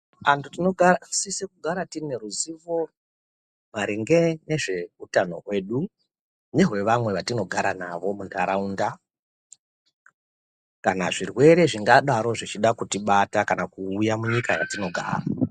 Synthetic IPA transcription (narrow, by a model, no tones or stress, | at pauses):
antutino̞ɡʱasisekuɡʱaɾatine̞ɾuziʋo̞ | maɾeŋɡe̞ne̞ʐe̞utano̞̰ɦwe̞ːɗu | neɦwe̞ʋamwe̞ʋatino̞ɡʱaɾanaʋo̞mundaɾaunda | kanaʐirwe̞ɾe̞ʐiŋɡaɗaɾo̞ʐit͡ʃiɗakutiɓatakanakuːjamuɲikaja̰tino̞ɡʱa̰ːra